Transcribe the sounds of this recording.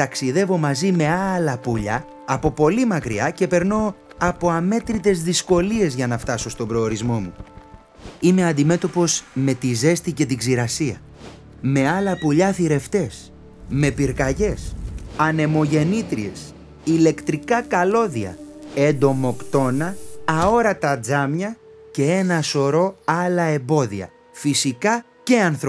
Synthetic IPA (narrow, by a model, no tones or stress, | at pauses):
t̪ɐksiðe̞vo̞mɐzime̞ɐlɐpuʎɐː | po̞po̞limɐkɾiɐce̞pe̞ɾno̞ | ɐpo̞ɐme̞t̪ɾit̪e̞zðisko̞lie̞zʝɐnɐft̪ɐso̞st̪o̞bɾo̞ːɾizmo̞mu | ime̞ɐnd̪ime̞t̪o̞po̞sme̞t̪ize̞st̪ice̞t̪iɡziɾɐsiɐ | me̞ɐlɐpuʎɐθiɾe̞ft̪e̞s | me̞piɾkɐʝe̞sɐne̞mo̞ʝe̞nit̪ɾie̞s | ile̞kt̪ɾikɐkɐlo̞ðiɐ̰end̪o̞mo̞kt̪o̞nɐːo̞ɾɐt̪ɐd͡zɐmɲɐce̞e̞nɐso̞ɾo̞ɐlɐe̞mbo̞ðiɐ̰ | fisikɐ | ce̞ɐnθɾo